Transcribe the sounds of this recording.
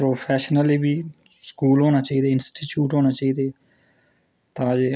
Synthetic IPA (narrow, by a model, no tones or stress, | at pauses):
pɾoːpʰɛːʃnəliːbiː | skuːlɦoːnaːt͡ʃaːiːd̪eːɪnsʈiːt͡ʃjuːʈɦoːnaːt͡ʃaːiːd̪eː | t̪ãːd͡ʒeː